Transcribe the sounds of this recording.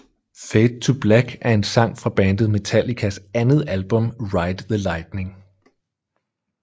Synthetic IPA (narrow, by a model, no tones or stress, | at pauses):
feɪd̥̚t͡sʰub̥læɡ̥æɐe̝nsɑ̈ŋ̰fʁɑ̈b̥æːnd̥ð̩ˠme̝t͡sʰæl̰ikʰæsænəð̞̩ˠælb̥ɔ̽mʁɑ̈ɪd̥ðəlɑ̈ɪd̥ne̝ŋ